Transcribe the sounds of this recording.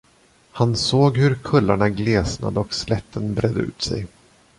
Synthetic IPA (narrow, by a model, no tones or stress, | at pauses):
hansoːɡhɵɾkʰɵlːaɳaɡleːsna̰d̪əɔkslɛt̪ʰːənbɾʔɛd̪əʉ̟̰ːt̪sɛ̰j